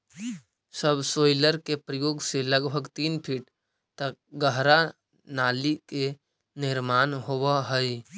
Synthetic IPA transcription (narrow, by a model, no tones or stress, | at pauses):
səbsoːɪləɾkepɾəjoːɡseləɡbʱəɡt̪iːnpʰɪʈ | t̪ək̚ɡəɦɾa | naːlike | nɪɾmaːnɦowaɦəi